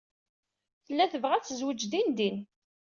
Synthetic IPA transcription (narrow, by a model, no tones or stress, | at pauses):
θəlːæθəvʁæt͡sːəzwəd͡ʒd̪ind̪in